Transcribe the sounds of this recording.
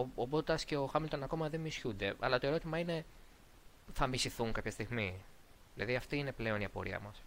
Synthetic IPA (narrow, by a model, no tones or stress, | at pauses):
oobot̪ɐsce̞o̞xɐmilt̪onɐko̞mɐðemisçund̪e̞ɐ̰lɐt̪o̞e̞ɾo̞t̪imɐine̞ | θɐmisiθuŋkɐpçɐst̪iɣmi | ðilɐ̰ðiɐft̪iine̞ple̞o̞niɐpo̞̰ɾiɐ̰mɐs